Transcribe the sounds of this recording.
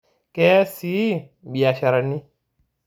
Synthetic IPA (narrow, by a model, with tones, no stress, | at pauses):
kɛ˦si˦ | bi˨a˨ʃa˨ɾa˨nːi˦